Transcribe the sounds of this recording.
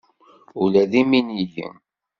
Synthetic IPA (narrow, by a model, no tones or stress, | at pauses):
ulæðiminijə̰